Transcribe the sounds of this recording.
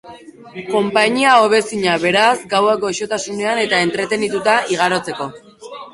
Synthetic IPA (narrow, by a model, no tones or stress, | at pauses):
ko̞mpaɲiao̞βe̞siɲaβe̞ɾazɡaweko̞eʃo̞t̪asune̞ane̞t̪ae̞nt̪ɾe̞t̪e̞nit̪ut̪aiɣ̞aɾo̞t͡se̞ko̞